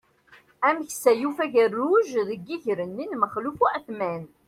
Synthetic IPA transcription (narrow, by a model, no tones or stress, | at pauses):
æməçsæjufæʝərːuʒðəɡːiʝɾənːinməχlufuæθmæn